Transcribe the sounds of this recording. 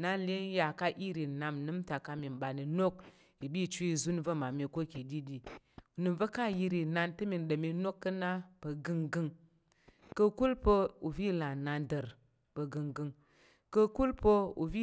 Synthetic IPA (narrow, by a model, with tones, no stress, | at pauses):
na˧le˦n˦ja˨ka˦ʔi˦ɾi˨na˧mnɨ˦mta˨ka˧mi˨m˨ɓa˨ni˨no˦k̚ | i˨ɓi˦˨t͡ʃu˦i˧˨zu˦nvə˦ma˨mi˧ko˦˨ki˨di˦ɗi˨ | u˨nɨ˨mvə˦ka˦˨ji˧ɾi˨na˧ntɨ˦mi˨n˨ɗə˨mi˧˦no˦kːə˦na˦pə˧ɡɨ˧ŋɡɨ˧ŋ | kə˧ku˦lpə˧u˨vi˦˨la˨na˧ndə˨ɾ | pə˧ɡɨ˨˧ŋɡɨ˧ŋ | kə˧ku˦lpə˧ṵ˨vi˦